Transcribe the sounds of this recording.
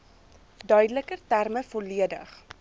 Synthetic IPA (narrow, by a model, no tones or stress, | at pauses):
dœɥdələkərtærməfoliədə̰χ